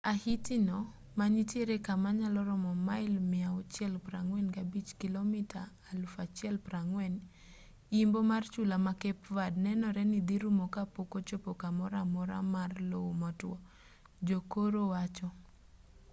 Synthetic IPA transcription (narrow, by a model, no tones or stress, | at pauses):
ahitinɔ | maɲitjeɾekamaɲalɔɾɔmɔmaɪlmɪaɔt͡ʃɛlpɾaŋwɛnkabit͡ʃkilomitaː | lfat͡ʃjɛlpɾaŋwɛn | imbomart͡ʃulamakɛpvadnɛnɔɾɛnid̪iɾumokapokot͡ʃopokamɔɾamɔɾa̰marlowmɔtwɔ | d͡ʒokoɾowat͡ʃɔ